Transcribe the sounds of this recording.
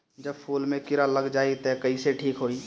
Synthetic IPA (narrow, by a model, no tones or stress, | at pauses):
d͡ʒəbpʰuːlmẽkɪɾaləɡd͡ʒaːit̪ɛkəiseʈʰiːkɦoiː